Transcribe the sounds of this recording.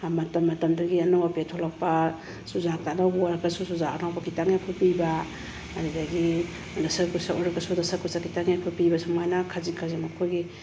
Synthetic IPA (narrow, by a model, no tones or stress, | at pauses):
mɐtɐmːɐtɐmduɡiɐnawapiatʰolak̚pa | suzak̚tʰanawbɾakasusuzaanawbɐkitaŋjapʰupibaː | ɾidaɡi | dasɐɾkusaʔɔɾakɐsudasaɾkusakitaŋjapʰupibasamajnakʰazikʰazimakʰojɡi